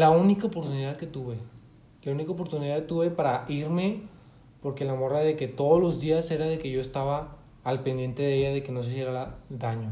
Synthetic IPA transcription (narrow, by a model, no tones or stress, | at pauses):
launikaopoɾt̪uniðaðke̞t̪uβe̞ | launikaop̬o̞ɾt̪uniðaðkt̪uβe̞paɾaiɾme̞ | po̞ɾkelamoɾaðe̞ke̞t̪o̞ðolo̞zðiase̞ɾaðe̞ke̞ʝo̞est̪aβaː | lpe̞nd̪je̞nt̪e̞ðeeʝaðe̞ke̞no̞s̬isjeɾaaðaɲo̞